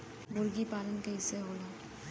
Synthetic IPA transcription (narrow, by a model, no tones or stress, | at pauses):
mʊɾɡipaːlənkaɦɪseɦoːlaː